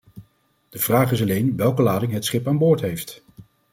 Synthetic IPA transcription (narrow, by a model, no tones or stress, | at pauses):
d̥əv̥raːχɪs̬ɑlejnʋɛlˠkəlaːdɪŋɦətsχɪpaːnbʊːɹtɦejft